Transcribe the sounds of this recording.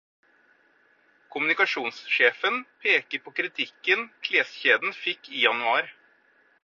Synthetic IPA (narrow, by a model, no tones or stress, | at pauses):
kʰʊmʉnɪkɑʂuːnsʃeːfənpʰeːkəɾpʰoːkʰɾɪt̪ʰɪkːənkʰleːsçeːd̪n̩fɪkiːjɑnʉɑːɾ